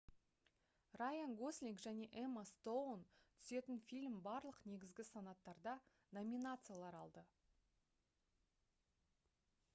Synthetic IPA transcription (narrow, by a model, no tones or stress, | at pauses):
rajanɡoslʲiŋkʒæne̞ʔemast̪ownt̪ʰʏ̥se̞t̪ɪnfʲilʲmbɑɾlˠəqne̞ɡʲɪzɡʲɪsanɑt̪ːɑɾd̪ɑ | nomʲinat̪sɨjalˠɑɾɑlˠd̪ə